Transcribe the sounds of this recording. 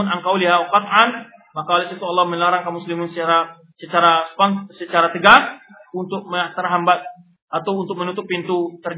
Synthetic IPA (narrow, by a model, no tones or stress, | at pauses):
naŋkawliɦauqat̪ʔan | makaolɛsit̪ualːɑhmənlaɾaŋkamuslimɪnsət͡ʃaɾa | sət͡ʃaɾaspansət͡ʃaɾat̪əɡas | unt̪ʊk̚məat̪ərɦambat̪̚ | at̪awunt̪ʊk̚mənut̪ʊpːint̪ut̪ər